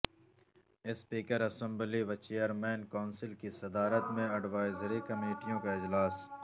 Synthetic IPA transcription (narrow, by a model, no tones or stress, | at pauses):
ɪspiːkəɾɐsə̃mbliʋat͡ʃeːjəɾmɛ̃ːnkaːnsɪlkisɐd̪aːɾət̪mẽɐɖʋaːɪzəɾikɐmeːʈijõkaɪd͡ʒlaːs